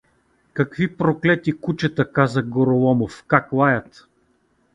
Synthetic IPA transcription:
kɐkvipɾoklɛt̪ikut͡ʃɛt̪əkazəɡoɾolˠɔmofkaklˠajət̪

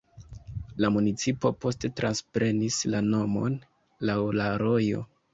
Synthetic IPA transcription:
lamunit͡sipo̞po̞ste̞tɾanspɾe̞nislano̞mo̞̰n | lawlaɾo̞jo̞̰

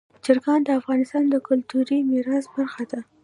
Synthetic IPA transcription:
d͡ʒɪɾɡɑnd̪əafɣɑnɪst̪ɑnd̪əkʊlt̪uɾimɪɾɑsbaɾxad̪a

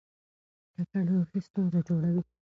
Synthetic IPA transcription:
kak̪aɽoxist̪unzed͡ʒoɽawi

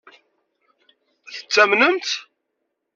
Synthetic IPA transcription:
θə̥t͡sːæmnənt̪

